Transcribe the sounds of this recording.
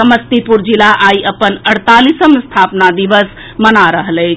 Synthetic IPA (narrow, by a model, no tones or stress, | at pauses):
əməst̪ipuɾd͡ʒilaʔaiʔəpənəɽt̪alisəmest̪ʰapnad̪iʋəs | mənaɾəɦələt͡ʃʰ